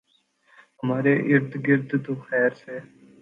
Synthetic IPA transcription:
ɦəmaːɾeʔɪɾd̪ɡɪɾd̪d̪oːxɛːɾseː

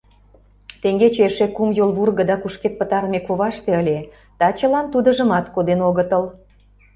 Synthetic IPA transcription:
t̪eŋɡet͡ɕeʃekumjolβurɣə̆d̪ɑkuʃket̪̚pət̪ɑɾmekoβɑʃt̪eəlʲe | t̪ɑt͡ɕəlɑnt̪ud̪ə̆ʒə̆mɑt̪kod̪enoɣət̪əl

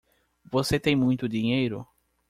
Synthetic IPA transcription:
voset̪ẽj̃mũj̃t̪ʊd̪iɲejɾʊ̰

